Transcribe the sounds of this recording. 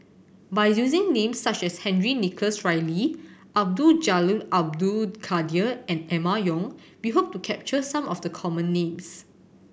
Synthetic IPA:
bajjuzɪ̃ŋnẽmsːat͡ʃɛshɛ̃nɹinikʰəsɹaɪliʔab̚dud͡ʒaluʔab̚dukʰadiəɛ̃nɛmajɔ̃ŋ | wiɦop̚tukʰɛp̚t͡ʃəsãmɔfdəkʰɔmə̃nːẽms

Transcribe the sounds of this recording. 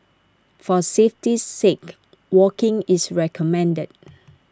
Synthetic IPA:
fɔseftiːek | wɔkɪ̃ŋisɹɛkʰɔmɛ̃ndəd̚

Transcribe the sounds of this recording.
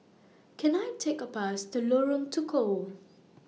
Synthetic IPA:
kʰɛ̃najtʰekəpasdəlɔɹə̃ŋtʰukʰo

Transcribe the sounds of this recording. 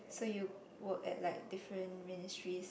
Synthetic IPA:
soju | wək̚ɛ̰t̚laɪk̚difɹə̃nminɪstɹis

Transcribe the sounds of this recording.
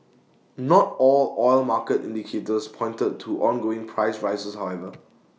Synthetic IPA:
nɔtɔlɔɪlmakətḭ̃ndikʰetəspʰɔ̃ɪ̃ntəd̚ʰuʔɔ̃nɡoɪ̃ŋpʰɹaɪsɹaɪsəshawɛvə

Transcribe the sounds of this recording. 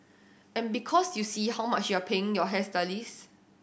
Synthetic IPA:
ɛ̃nbikʰɔsjusihawmat͡ʃjuapʰeɪ̃ŋjɔɦɛsdalis

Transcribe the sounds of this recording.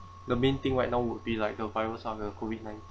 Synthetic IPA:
dəmẽnt̪ĩŋwajk̚nãʊwud̚bilaɪjk̚dəvaɪwəsɔfdəkʰovid̚nãj̃nt

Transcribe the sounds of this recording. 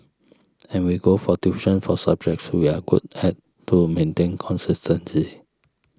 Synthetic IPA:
ɛ̃nwiɡofɔtuʃə̃nfɔsab̚d͡ʒɛk̚swiaɡṵdhɛt | tʰːumẽntẽnkʰɔ̃nsistʰə̃nli

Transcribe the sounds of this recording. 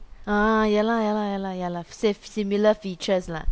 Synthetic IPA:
ãjɛlajalajalajalasɛfsimilafit͡ʃəsla̰

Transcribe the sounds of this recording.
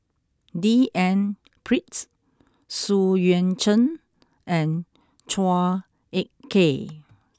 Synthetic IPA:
diʔɛ̃n | pʰɹits | sujɛ̃nt͡ʃə̃n | ʔɛ̃n | t͡ʃʰa | eʔ̚kʰːe

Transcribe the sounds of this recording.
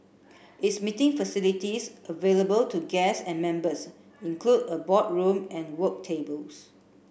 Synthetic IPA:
ʔɪtsmitɪ̃ŋfəsilitisʔəveləbəltuɡɛsɛ̃nmɛ̃mbəs | ĩŋkʰludəbɔt̚ɹũmɛ̃nwək̚tʰebəls

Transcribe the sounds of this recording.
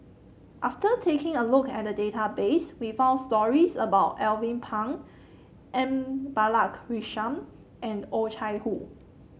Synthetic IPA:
ʔaftətʰekɪ̃ŋəlʊkɛ̰t̚dədetabeswifãʊ̃nstɔɹisəbaʊtɛlvĩnpʰãŋ | ʔɛ̃mbalakɹiʃãm | ʔɛ̃not͡ʃʰaɪhu

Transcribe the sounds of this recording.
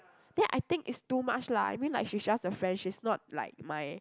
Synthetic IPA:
d̥ɛ̃nʔa̰jt̪ɪ̃ŋkitstumat͡ʃlaa̰jmĩnlaɪk̚ʃid͡ʒasəfɹɛ̃nʃisnɔt̚la̰ɪk̚maj

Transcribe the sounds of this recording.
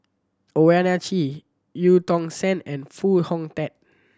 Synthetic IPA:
oɛnat͡ʃi | jutɔ̃ŋsɛ̃nɛ̃nfuhɔ̃ŋtɛt̚

